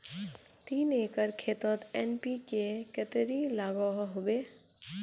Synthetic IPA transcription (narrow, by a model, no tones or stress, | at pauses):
t̪iːnekəɾkʰet̪ət̪enpikekət̪ɾilaɡɔɦɦobe